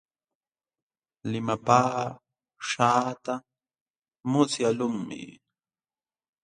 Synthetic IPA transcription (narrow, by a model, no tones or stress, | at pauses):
lɪmapaː | ʂaːt̪a | mʊsjalʊŋmɪ̰